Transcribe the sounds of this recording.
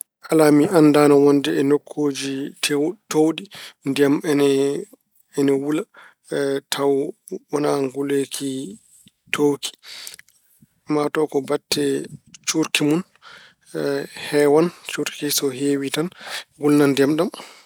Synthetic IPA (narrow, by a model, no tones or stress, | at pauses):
ʔalamiʔandanawɔndɛɛnokʰːod͡ʒitʰtowɗindɛmɛn | ɛnɛwula | tʰawwɔnaŋɡulekʰi | tʰowkʰi̥ | matɔkɔbatːɛt͡ʃuɾkimun | hɛwant͡ʃuɾkisɔɦeːwitanɡulnandɛmɗam